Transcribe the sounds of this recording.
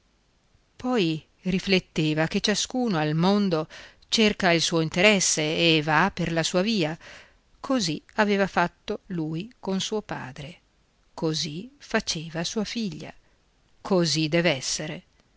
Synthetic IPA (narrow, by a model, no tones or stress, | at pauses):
pʰɔj | riflet̪ːeːvaket͡ʃaskuːnoalmond̪o | t͡ʃerkailsuːoint̪eɾɛsːeːvaperlasuːaviːa | kʰoziaveːvafat̪ːoluːjkonsuːopa̰ːd̪ɾe | kozifat͡ʃeːvasuːafiʎːa̰ | kʰozid̪ɛːvɛsːeɾe